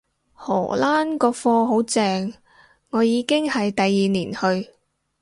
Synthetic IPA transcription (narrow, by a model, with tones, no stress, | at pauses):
hɔ̰ː˨˩laː˥nkɔː˧fɔː˧ɦo˨˥wt͡sɛː˨˧ŋ | ŋɔː˨˧jiː˨˧kɪ˥ŋhɐ˨jt̪ɐ˨jːiː˨niː˨˩nhɵ˧ɥ